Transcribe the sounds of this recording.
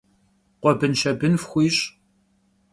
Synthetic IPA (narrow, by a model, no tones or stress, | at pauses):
qʷɔbɨnʃɐbɨnfxʷiːɕʼ